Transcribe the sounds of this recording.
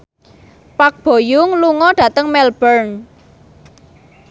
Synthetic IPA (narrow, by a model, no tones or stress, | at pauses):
pak̚b̥o̤jʊŋluŋɔɖ̥ä̤t̪əŋmɛlbərn